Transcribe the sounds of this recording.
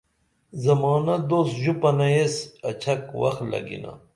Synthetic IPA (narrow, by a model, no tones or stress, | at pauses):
zɐmɑːnɐd̪oːsʑupɐnɐesɐt͡ɕʰɐkwɐ̰xlɐ̰ɡḭna̰